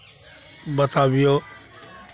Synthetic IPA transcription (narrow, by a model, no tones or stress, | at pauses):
bət̪ʰaːbɪjoː